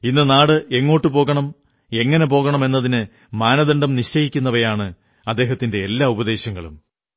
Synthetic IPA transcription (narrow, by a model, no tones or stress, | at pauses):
inːɐnaːɽɨʔe̞ŋːoːʈːɨpo̞ːɣɐɳɐm | e̞ŋːɐne̞po̞ːɣɐɳɐme̞nːɐðinɨ | maːnɐðɐɳɖɐmniɕt͡ɕɐjikʲːunːɐʋɐjaːɳɨ | ɐd̪ːe̞ːɦɐt̪ːinde̞ːlːaːubɐd̪e̞ːɕjɐŋːɐɭṵm